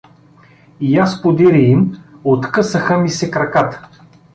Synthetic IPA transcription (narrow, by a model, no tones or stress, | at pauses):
ijaspod̪iɾʲiimot̪kɤsəxəmisɛkɾɐkat̪